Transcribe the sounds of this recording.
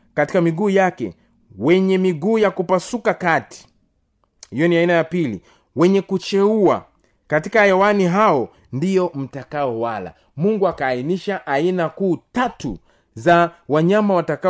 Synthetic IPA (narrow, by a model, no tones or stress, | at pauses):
kati̥kamiɡuːjakɛ̰ | wɛɲɛmiɡuːjakupasukakati̥ | hijɔniainajapilḭ | wɛɲɛkut͡ʃɛua̰ | katikaːjawaniɦaɔ | ndijɔm̩takaɔwala̰ | muŋɡuakaːiniʃaʔainakuːtatu | zawaɲamawataka